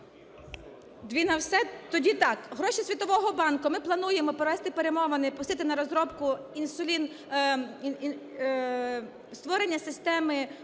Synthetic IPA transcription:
d̪ʋʲinɐwsɛt̪ɔdʲit̪ɑkɦɾɔʃʲisʲʋʲit̪ɔʋɔɦɔbɑnkʊmɪplˠɐn̪ujemɔpɾɔʋɛst̪ɪpeɾemɔʋɐnɪpʊ̥st̪ɪt̪ɪnɐɾɔzɾɔpkʊ | insʊlʲin | st̪ʋɔɾenʲːɐsɪst̪ɛmɪ

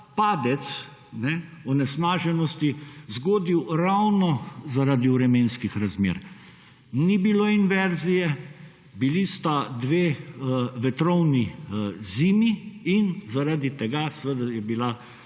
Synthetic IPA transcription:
paːd̪ɛt̪s | nɛɔnɛsnaːʒɛnɔst̪izɡoːd̪iwɾawnɔzaɾaːd̪iuɾɛmeːnskixɾazmḛːɾ | nibiloinʋɛɾzijɛ | bilist̪ad̪ʋeː | ʋɛt̪ɾɔwniziːmiinzaɾad̪it̪ɛɡasɛʋed̪ajɛbila

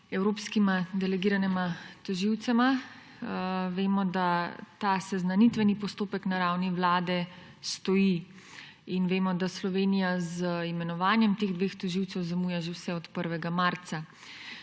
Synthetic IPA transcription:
ɛwɾoːpskimad̪ɛlɛɡiːɾanɛmat̪ɔʒiwt̪sɛma | ʋeːmɔd̪at̪asɛznanit̪ʋɛnipɔst̪oːpɛknaɾawniʋlaːd̪ɛ | st̪ɔji | inʋeːmɔd̪aslɔʋeːnijazimɛnɔʋaːnjɛmt̪eːɣd̪ʋeːxt̪ɔʒiwt̪sɛwzamuːjɛʒewsɛɔt̪pəɾʋɛɡamaɾt̪sa

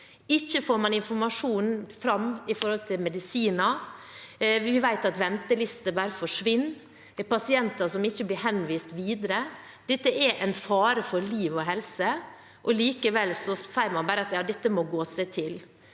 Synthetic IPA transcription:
ɪçːəfoːɾmɑnɪnfɔɾmɑʂuːnfɾɑmɪfɔɾhɔlt̪ʰɪlmɛd̪ɪsiːnɑ | ʋɪʋæɪt̪ɑt̪ʋɛnt̪əlɪst̪əbæːɾəfɔʂʋɪnː | d̪ɛpɑsɪɛnt̪ɑsɔmɪçːəblɪɾhɛnːʋiːst̪ʋiːd̪əɾə | d̪̥ɛt̪ːəʔɛɾʔæɪnfɑːɾəfɔɾliːʋɔɦɛlsə | ʔɔliːkəʋɛlsɔsæɪəɾmɑnbɑːɾəɑt̪jɑːd̪ɛt̪ːəmɔɡoːsæɪt̪ʰɪl

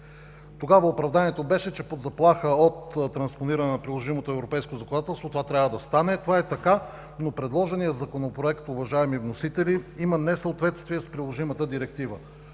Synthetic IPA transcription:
t̪oɡavəopɾɐvd̪anʲiɛt̪obɛʃɛt͡ʃɛpod̪zɐplˠaxəot̪ːɾɐnsponiɾɐnɛnɐpɾilˠoʒimot̪oɛvɾopɛjskozɐkonat̪ɛlˠst̪vot̪ovat̪ɾʲabvəd̪ɐst̪anɛt̪ovaɛt̪ɐka | nopɾɛd̪lˠɔʒɛnijəzɐkonopɾoɛkt̪ʊvɐʒaɛmivnosit̪ɛliimənɛsəot̪vɛt̪st̪viɛspɾilˠoʒimət̪əd̪iɾɛk̚t̪ivə

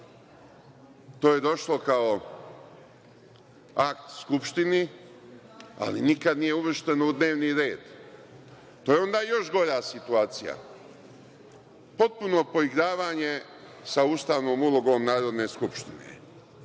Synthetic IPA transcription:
t̪oːje̞d̪o̞ʃlo̞kao̞ | akt̪skupʃt̪ini | a̰linikad̪nije̞uʋr̩ʃt̪e̞noud̪ne̞ːʋniɾe̞ːd̪ | t̪oːjeo̞nd̪aːjo̞ʃɡo̞ʎaːsit̪uaːt̪sija̰ | po̞t̪̚puno̞po̞iɡɾaːʋaːɲe̞ | sauːst̪aːʋno̞ːmulˠoɡo̞ːmnaːɾo̞d̪ne̞ːskupʃt̪inḛ

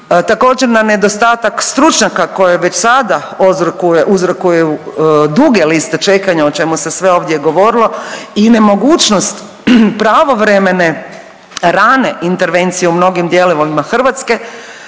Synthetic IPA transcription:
t̪ako̞ːd͡ʒeɾnane̞d̪o̞st̪aːt̪akst̪ɾut͡ʃɲakako̞jeʋe̞t͡ʃsad̪a | ozɾokujeʔuzɾokujejud̪uɡe̞list̪e̞t͡ʃe̞kaɲaot͡ʃe̞muse̞sʋe̞o̞ːʋd̪jeɡo̞ʋo̞ːɾilˠo̞ine̞mo̞ɡuːt͡ʃnost̪ | pɾaʋo̞ʋɾeme̞ne̞ | ɾaːne̞ʔint̪e̞ɾʋe̞nt̪sijeumno̞ɡimd̪jeliʋolimaxr̩ʋat̪ske̞

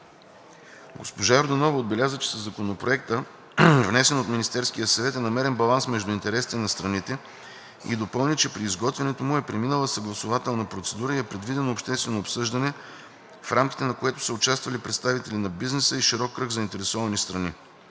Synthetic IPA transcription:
ɡospoʒaɛɾd̪ɐnɔvəod̪̚bɛlʲazət͡ʃɛ̥səzɐkonopɾoɛkt̪ə | vnɛsɛnot̪minist̪ɛɾskijəsɐvɛt̪ɛnɐmɛɾɛnbɐlˠansmɛʒd̪ʊint̪ɛɾɛsi̥t̪ɛnɐst̪ɾɐnit̪ɛ | ḭd̪opɤlˠnʲit͡ʃɛpɾiːzɡɔt̪vɛnɛt̪omʊɛpɾɛminəlˠəsɐɡlˠɐsʊvat̪ɛlˠnɐpɾot̪sɛd̪uɾəiɛpɾɛd̪vid̪ɛnoopʃt̪ɛst̪vɛnoːpsɤʒd̪ɐnɛ | fɾʔamkʲi̥t̪ɛnɐkoɛt̪ʊ̥səʊt͡ʃast̪vɐlipɾɛt̪st̪avit̪ɛlinɐbiznɛsəiʃiɾɔkːɾɤɡzɐint̪ɛɾɛsɔvɐnist̪ɾɐni

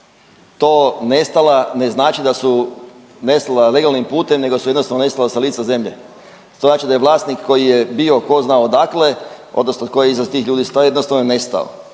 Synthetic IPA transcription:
t̪oːne̞st̪alane̞znaːt͡ʃid̪asu | ne̞st̪alale̞ɡalnimpuːt̪e̞mne̞ɡosujd̪nost̪aʋnone̞st̪alasaliːt̪saze̞mʎḛ | t̪oznaːt͡ʃid̪ajeʋlaːst̪nikːo̞jijebio̞ko̞znaod̪akle̞ | o̞̰d̪nosnoko̞jeizʋazt̪iːxʎuːd̪ist̪ajed̪nost̪aʋnone̞st̪a̰o̰

